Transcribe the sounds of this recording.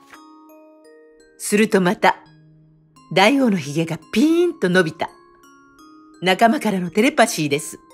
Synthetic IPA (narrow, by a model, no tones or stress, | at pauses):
sɨɾɯ̟t̪o̞mat̪a | d̪aio̞ːno̞çiɡe̞ɡapʲĩnt̪o̞no̞bʲit̪a̰ | nakamakaɾano̞t̪e̞ɾe̞paɕiːd̪e̞sɨ̥